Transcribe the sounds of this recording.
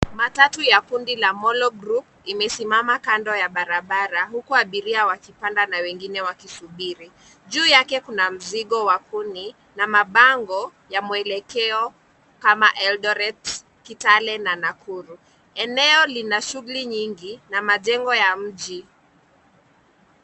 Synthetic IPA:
matatujakundilamɔlɔɡɾup | imɛsimamakandɔjaɓaɾaɓaɾaɦukuaɓiɾiawakipandanawɛŋɡinɛwakisuɓiɾi | ʄuːjakɛkunam̩ziɠɔwakuni | namaɓaŋɡɔjamwɛlɛkɛɔ | kamaʔɛlɗɔɾɛt | kitalɛnanakʰuɾu | ɛnɛɔlinaʃuɣuliɲiŋɡinamaʄɛŋɡɔjam̩ʄi

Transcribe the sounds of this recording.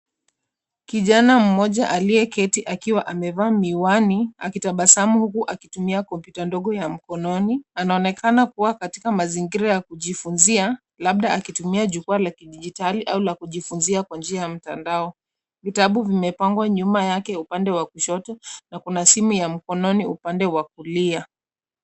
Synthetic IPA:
kiʄanam̩mɔʄaʔaliɛkɛtiʔakiwaʔamɛvaːmiwaniakitaɓasamuhukuʔakitumiakɔmpjutandɔɠɔjam̩kɔnɔnianaɔnɛkʰanakuwakati̥kamaziŋɡiɾajakuʄifunzia | laɓ̚ɗaakitumiaʄukualakiɗiʄitaliʔaulakuʄifunziakwand͡ʒiajam̩tandaɔ | vitaɓuvimɛpaŋɡwaɲumajakɛupandɛwakuʃɔtɔnakunasimujam̩kɔnɔniupandɛwak̚ulia

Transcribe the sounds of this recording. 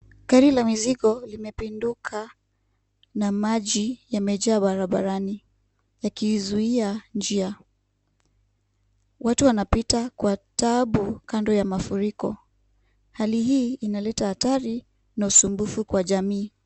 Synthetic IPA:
kaɾilamiziɠɔlimɛpindukʰa | namaʄijamɛʄaːɓaɾaɓa̰ɾani | jakizuiand͡ʒia | watuwanapitakwataɓukandɔjamafuɾikɔ | halihiːnalɛtahataɾi | nausumbufukwaʄamiː

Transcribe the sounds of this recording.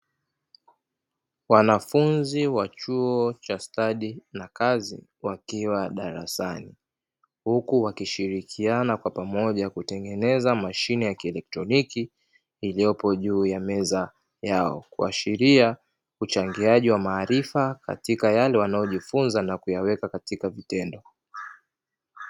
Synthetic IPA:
wanafunziwat͡ʃuɔt͡ʃastaɗinakazḭwakiwaɗaɾa̰sani | hukuwakiʃiɾikʰianakwapamɔʄakutɛŋɡɛnɛzamaʃinɛjakiɛlɛk̚tɾɔnikiː | lijɔpɔʄuːjamɛza | jaɔ̰kṵa̰ʃiɾia | ut͡ʃaŋɡiaʄiwamaːɾifaka̰tikajalɛwanajɔʄifunzanakujawɛkakatikavitɛndɔ

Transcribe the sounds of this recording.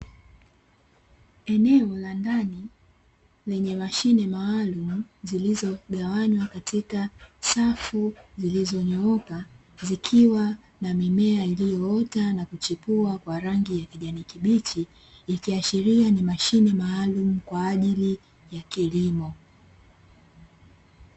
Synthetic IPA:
ɛnɛɔlandani | lɛɲɛmaʃinɛmaːlumuzilizɔɠawaɲwakatikasafuzilizɔɲɔɔka | zikʰiwa | namimɛailijɔɔtanakut͡ʃipuakwaɾaŋɡijakiʄanikiɓit͡ʃiː | kiaʃiɾianimaʃinɛmaːlum̩kwaːʄili | jakilimɔ

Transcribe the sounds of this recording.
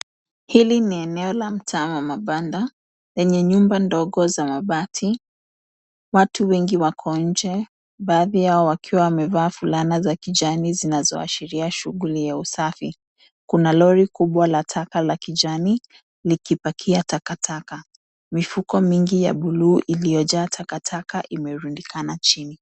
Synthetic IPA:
hiliniɛnɛɔlam̩tʰaːmamaɓanda | lɛɲɛɲumbandɔɠɔzamaɓatʰi | watuwɛŋɡiwakʰɔnɲ̩d͡ʒɛ | ɓaːðijaɔwakʰiwawamɛvaːfulanazakiʄanizinazɔ̰a̰ʃiɾiaʃuɠulijausafi | kunalɔɾikuɓwalatʰakalakid͡ʒani | likipakʰiatakatʰaka | mifukɔmiŋɡija̰ɓuluːʔilijɔʄaːtʰakatʰakaʔimɛɾundikʰanat͡ʃini

